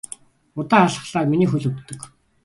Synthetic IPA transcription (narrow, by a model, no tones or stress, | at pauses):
ʊt̪aːaɮə̆χɮaːminiːxɵɮɵkt̪ːɵ̆k